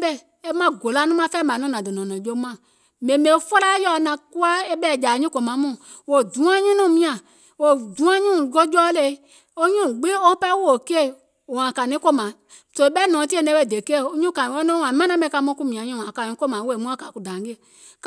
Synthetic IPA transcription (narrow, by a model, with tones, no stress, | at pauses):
bɛ˦˨ | e˦mã˦ɡo˨la˧˦nũ˦mã˧˦fɛː˦mã˨˦nɔ̃˨˦nã˨dɨ˨nɔ̃˨nɔ̃˨d͡ʒo˧˦mã˨ | mẽ˨mẽ˨˦fo˦la˦jɔ˧˨nã˧ku˦a˦e˦ɓɛ˦˨d͡ʒa˨˦ɲĩ˦ko˨mã˨˦mũ˦˨ | wo˨dũ˨˦ã˦ɲĩ˦nũ˦˨mĩ˧˦ã˨ | wo˨dũ˨˦ã˦ɲũ˦˨ɡo˦d͡ʒɔː˦le˧˨˦ | o˦ɲũ˦˨ɡ͡bẽ˦o˦pɛ˦wo˦o˨ke˦e˦˨ | o˨ã˨ka˨nĩ˦ko˦mã˨ | so˧˦e˨˦ɓɛ˦nɔ̃˨˦ti˦e˦˨nɛ̃˧˦ɓɛ˧˨de˨ke˦˨o˧˦ɲũ˦kã˨ĩ˨wɔ˦nɔ̃˦ã˨˦mã˦nã˦bɛ̃˧˨˦ka˧˦mɔ̃˧˦ku˦mĩ˨ã˨ɲũ˦˨ã˨ka˨nĩ˨˦ko˦mã˨˦wo˦e˨mũ˦a˦ka˨ku˨dã˨˦ɡe˦e˨ | k